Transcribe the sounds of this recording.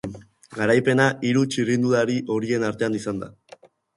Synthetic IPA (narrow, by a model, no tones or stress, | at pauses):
ɡaɾajpe̞naʔiɾut͡ʃirind̪uðaɾiʔo̞ɾie̞naɾt̪e̞anisand̪a̰